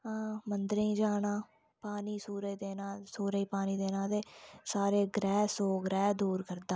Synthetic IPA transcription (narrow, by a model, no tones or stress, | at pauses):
aːmənd̪əɾĩːd͡ʒaːnãː | paːniːsuːɾeːd̪eːnãːsuːɾeiːpaːniːd̪eːnãːt̪eːsaːɾeːɡɾɛːsoːɡɾɛːd̪uːɾkəɾd̪aː